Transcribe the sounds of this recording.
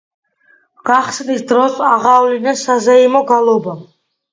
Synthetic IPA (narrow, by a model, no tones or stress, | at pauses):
ɡ̥aχsnisd̪ɾɔsaʁaːvlinɛsazɛimɔɡalˠɔba